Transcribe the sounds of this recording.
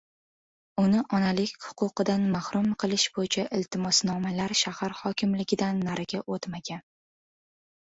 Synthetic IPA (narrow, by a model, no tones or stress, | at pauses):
ʊnɪʔɒnalɪkʲhʊ̥qʊqɨd̪anmahɾʊmqʰɨlˠɪʃb̥ojɪt͡ʃʰaʔɪlt̪ʰɪmɒsnɒmalaɾʃahaɾhɒkʲʰɪmlɪɡʲɪd̪anːaɾaɡʲaʔot̪maɡʲan